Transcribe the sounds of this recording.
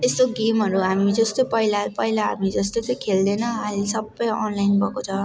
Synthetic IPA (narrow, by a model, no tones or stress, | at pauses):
test̪oɡemɦʌɾuɦamid͡zʌst̪opʌilapʌjlaɦa̰mid͡zʌst̪ot͡sʌjkʰeld̪ʌjnʌɦalesʌbʌjɔnlajnbʱʌkot͡sʰʌ